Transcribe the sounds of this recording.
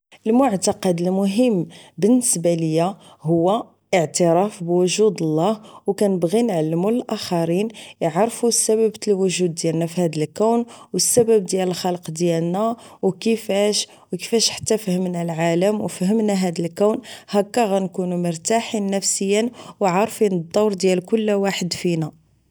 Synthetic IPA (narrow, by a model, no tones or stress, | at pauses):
ʔəlmʊʕt̪ɑqɑd̪əlmʊɦəmːbənːəsbæləjːa | hʊwːæ | ʔəʕt̪əɾˤɑfbwʊʒud̪əlːɑhwkænəbɣinʕalːəmuləlʔæxɑɾinjʕɾˤfusːæbæbt̪lwʊʒud̪̚ːjælnæfihæd̪əlkæwnwəsːæbæb̚d̪jæləlxɑlqd̪jælnæ | wkəfæʃ | wkə̥fæʃħḁt̪ːæfəhəmnælʕaləmwfəhəmnæɦæd̪əlkæwnhækːæɣænkunumʊɾt̪aħinːəfsəjːənwʕɑɾˤfinəd̪ˤːɑwɾˤd̪jælkʊlːwaħəd̪finæ